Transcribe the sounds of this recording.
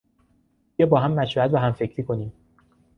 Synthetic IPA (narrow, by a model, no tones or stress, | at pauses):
jɛːbɒːɦæmːæʃfɒæt̪̚bæɦæmfe̞cʰɾiːkʰo̞niːm